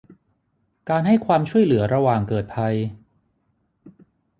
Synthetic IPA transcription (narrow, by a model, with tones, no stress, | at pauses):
kaː˧nɦa˥˩jkʰwaː˧mt͡ɕʰu˥˩əjlɯ˩˦ɐɾa˧waː˨˩ŋkɤː˨˩t̪̚pʰa˧j